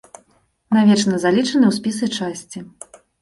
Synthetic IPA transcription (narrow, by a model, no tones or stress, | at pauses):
navʲɛt͡ʂnɐzalʲit͡ʂɐnɨwsʲpʲis̬ɨt͡ʂasʲt͡sʲi